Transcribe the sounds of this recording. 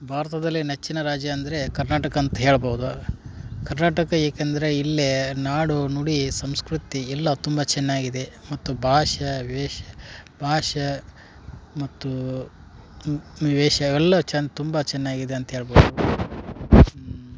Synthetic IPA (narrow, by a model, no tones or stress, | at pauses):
bʱaːɾɐt̪ɐd̪ɐlːinet͡ʃːinɐɾaːd͡ʒjɐːnd̪ɐɾe̞kɐɾnaːʈɐkɐːnt̪ɐɦe̞ːɭɐbɐːwud̪u | kɐɾnaːʈɐkɐeːkend̪ɐɾe̞ilːenaːɽunuɽisɐmskɾut̪iɛlːɐt̪umbɐt͡ʃɛnːaːɡid̪e̞mɐt̪ːubʱaːʃɐʋɛːʃɐbʱaːʃɐ | mɐt̪ːu | iʋɛːʃɐʋɛlːɐt͡ʃɛnt̪umbɐt͡ʃɛnːaːɡid̪e̞ɐnt̪ɐɦe̞ːɭbowd̪u